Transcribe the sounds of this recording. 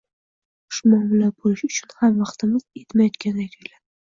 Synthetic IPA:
ʊ̥ʃmɒmɪlabolɪʃʊt͡ʃʰʊnhamvɑχt̪ʰɪmɪz̥e̞t̪majɒt̪kʲʰand̪at̪ʰojlad̪ɪ

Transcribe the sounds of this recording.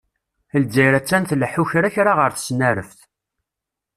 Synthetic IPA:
əld͡zæjɾæt͡sːænθlħuçɾæçɾaʁəɾθə̥snæɾəfθ

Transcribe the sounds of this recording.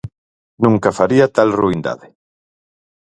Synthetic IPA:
nũŋkɐfaɾiat̪alruind̪a̰ðɪ

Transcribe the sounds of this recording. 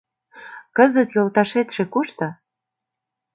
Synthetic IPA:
kəzə̆t̪jolt̪ɑʃet̪ʃĕkuʃt̪ɤ̆

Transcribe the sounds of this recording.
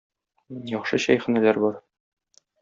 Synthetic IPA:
jɒχʃɤɕɒjχɘ̆nælæɾbɒɾ

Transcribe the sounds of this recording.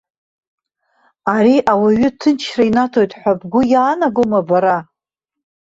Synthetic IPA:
aɾiʔawaɥʏtʰɨnt͡ʃʰrainatʰo̞jtʼħʷabɡʷʊjaːnaɡomabaɾa

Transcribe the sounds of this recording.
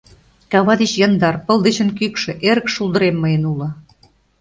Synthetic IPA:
kɑβɑd̪et͡ɕjɑnd̪ɑrpə̆lˠd̪et͡ɕə̆nkykʃĕʔeɾəkʃulˠd̪ə̆ɾemːəjə̆nulɤ̆

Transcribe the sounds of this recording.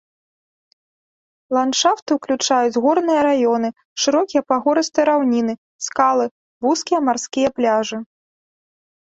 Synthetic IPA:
lˠant͡ʂawt̪ɨwklʲut͡ʂajud͡zʲɣɔrnɨjɐɾajɔnɨ | ʂɨɾɔkʲijɐpaɣɔɾɨst̪ɨɾawnʲinɨ | skalˠɨ | vuskʲijɐmarskʲijɐplʲaʐɨ

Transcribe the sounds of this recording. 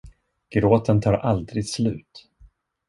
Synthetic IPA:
ɡ̥ɾoːt̪ənt̪ʰɑːɾʔald̪ɾɪɡ̪slʉ̟̰ːt̪

